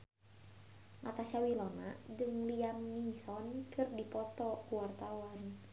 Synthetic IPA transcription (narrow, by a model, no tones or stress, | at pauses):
ŋʔat̪asawilɔna̰d͡ʒɨŋliamnisɔnkʰɨrdipɔt̪ɔkuwart̪awan